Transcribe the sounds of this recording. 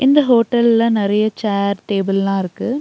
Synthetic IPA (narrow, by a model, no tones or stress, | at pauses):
ʔɪnd̪ɐɦoːʈːɐllɐnɪɾɐjɐt͡ʃaːɾʈeːbɪllãːɪɾɯkːɯ